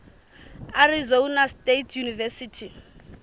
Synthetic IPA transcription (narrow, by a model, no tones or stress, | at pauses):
arizounastetʰjunivɛsitʰi